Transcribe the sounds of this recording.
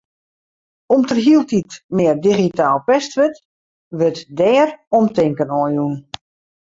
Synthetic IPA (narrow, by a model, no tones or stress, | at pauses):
ɔmtərɦilˠtitmɪərdiɣitaːlˠpɛstʋət | ʋətdɛːrɔmtɪŋkənɔjun